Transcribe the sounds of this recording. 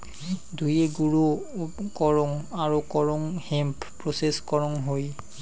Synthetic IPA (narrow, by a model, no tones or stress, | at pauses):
dʱujeɡuɹukɔɹɔŋaɹukɔɹɔŋhɛmppɹoseskɔɹɔŋɦoj